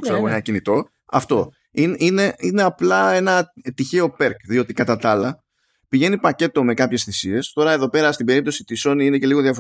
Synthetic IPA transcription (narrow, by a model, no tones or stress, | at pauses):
kseɐɣoenɐcinit̪o̞ | ɐ̰ft̪o̞ | inine̞ine̞ɐplɐe̞nɐt̪içe̞o̞pe̞ɾkðio̞t̪ikɐt̪ɐt̪ɐlɐ | piʝe̞nipɐce̞t̪o̞me̞kɐpçe̞sθisie̞st̪o̞ɾɐe̞ðo̞pe̞ɾɐst̪ibe̞ɾipt̪o̞sit̪iso̞niinece̞liɣo̞ðjɐfo